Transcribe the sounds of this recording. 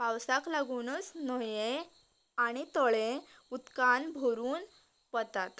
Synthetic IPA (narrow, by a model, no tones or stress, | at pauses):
pawsaklaɡuːnət͡snɔje | aɽ̃it̪ɔɭe | ut̪kanbʱoɾuːn | pət̪at̪